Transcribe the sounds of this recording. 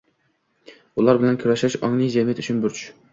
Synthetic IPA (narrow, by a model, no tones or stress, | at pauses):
ulˠɑɾbɪlɛnkʲʰyɾɛʃɛʃɑ̰ŋnˠɨjzɛmijɛt̪ʰyt͡ʃʰynbyɾt͡ʃʰ